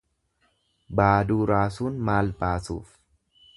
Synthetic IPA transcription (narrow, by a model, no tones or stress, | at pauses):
baːd̪uːɾaːsuːnmaːlbaːsṵːf